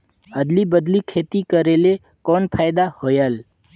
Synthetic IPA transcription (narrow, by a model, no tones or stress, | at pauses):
əd̪libəd̪likʰeːt̪ikəɾele | konpʰaːjd̪ahojəl